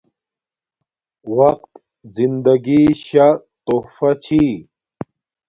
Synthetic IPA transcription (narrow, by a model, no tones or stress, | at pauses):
wɐq̚t̪ | zind̪ɐɡiɕa | t̪ofat͡ɕʰi